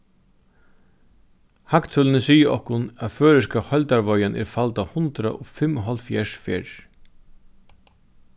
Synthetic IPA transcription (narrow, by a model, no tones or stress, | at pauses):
hakt̪ʰʊlənəsiːəɔhkʊnæðføːɾɪskahɔlt̪aɾʋɔjanʔɛ̰ɾfalt̪ahʊnt̪ɾa̰ʔɔfɪmʊɦalt̪fjɛʂfḛːɹ